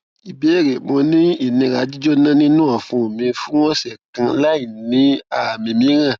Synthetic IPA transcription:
i˨be˨˦˨ɾe˨mõ˧nĩ˦i˦˨nĩ˧ɾa˨˦d͡ʒi˦d͡ʒo˦nã˦nĩ˦nũ˦a˨fũ˧˨mĩ˧fũ˦wɔ̃˦sɛ˨kã˧la˦i˦˨nĩ˨˦a˨mĩ˧mĩ˨˦ɾã˦˨

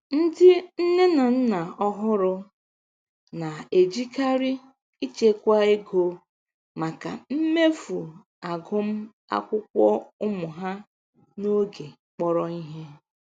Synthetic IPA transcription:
n̩˦dɪ˦n̩˦ne˦na˨n̩˦na˨ɔ˦ɦʊ˦ɾʊ˦ | na˨e˨d͡ʒi˦ka˦ɾɪ˦ | i˦t͡ʃe˦kʷa˦e˦ɡo˦ | ma˨ka̰˨m̩˦me˦fu˨ | a˨ɡʊ˦m̩˦ | a̰˦kʷʊ˦kʷɔ˦ʊ˦mʊ˨ɦa˦ | no˦ɡe˨ | k͡pɔ˦ɾɔ˦i˦ɦe˦

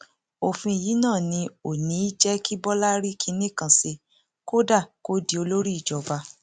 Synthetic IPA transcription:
o˨fĩ˧˨ji˨˦nãː˦˨nĩ˧o˨nĩ˨˦i˦d͡ʒɛ˦ki˦bɔ˦la˦ɾi˦kʰi˦˧nĩ˦kã˨se˧ | ko˦da˦˨ko˦di˦o˧lo˦ɾi˦i˦˨d͡ʒɔ˨ba˧

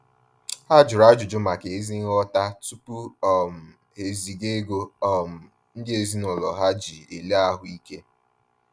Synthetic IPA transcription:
ha˦d͡ʒʊ˨ɾa˦d͡ʒʊ˨d͡ʒʊ˦ma˨ke˨e˦zi˦ŋ˦ɔ˦ta˦tu˦pu˦ɔ˨m̩˨ | e˨zi˨ɡe˦ɡo˦ɔ˦˨m̩˨ | n̩˦dɪ˦e˨zi˦nʊ˨lɔ˨ɦa˦d͡ʒi˨e˨le˦a˦ɦʊ˦i˦ke˦

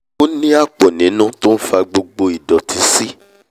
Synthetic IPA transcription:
o˦nĩ˦a˦˨k͡pɔ˨nĩ˨˦nũ˦to˦n̩˦fa˧ɡ͡bo˧ɡ͡bo˧i˨dɔ˨tʰi˨˦si˦

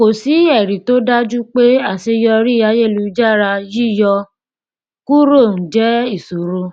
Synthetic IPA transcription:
ko˨si˨˦ɛ˦˨ɾi˨to˦da˦d͡ʒu˦k͡pe˦a˦˨se˧jɔ˧ɾi˦a˧je˦˨lu˧d͡ʒa˦˨ɾa˧ji˦jɔ˧ | ku˦ɾo˦˨n̩˨d͡ʒɛ˨˦i˦˨so˨ɾo˧˦

